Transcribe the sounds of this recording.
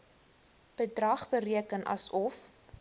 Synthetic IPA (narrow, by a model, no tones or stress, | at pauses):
b̥ədrɐχbəriəkənʔɐ̰sɔf